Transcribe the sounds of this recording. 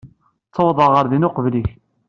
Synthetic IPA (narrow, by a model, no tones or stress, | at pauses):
t͡sːəwðˤɑʁəɾðinʊqəvliç